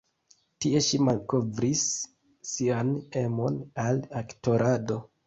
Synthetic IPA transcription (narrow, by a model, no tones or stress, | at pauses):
tie̞ʃimalko̞vɾisː | iane̞mo̞nalakto̞ɾʔado̞